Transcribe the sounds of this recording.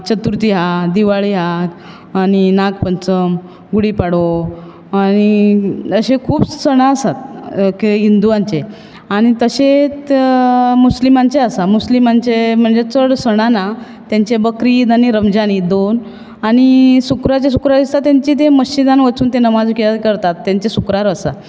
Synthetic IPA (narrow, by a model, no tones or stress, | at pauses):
t͡ɕət̪uɾt̪iɦad̪iʋaɭiɦaː | ɽ̃inaɡpənt͡səm | ɡuɽipaɽo | añiəɕekʰuːbsəɽ̃aəsat̪keɦind̪uʋãnt͡ɕe | aɽ̃it̪əɕe | muslimant͡ɕeasamuslimant͡ɕem̤əɳd͡zet͡səɽsəɽ̃ana | t̪jaɲt͡ɕebəkɾid̪aniɾəmd͡ʑanid̪on | aɽ̃isukɾat͡ɕes̬ukɾaɾd̪ist̪at̪jaɲt͡ɕit̪eməɕid̪anʋət͡suːnt̪enəmad͡zkekəɾt̪at̪ːjãɲt͡ɕesukɾaɾəsa̰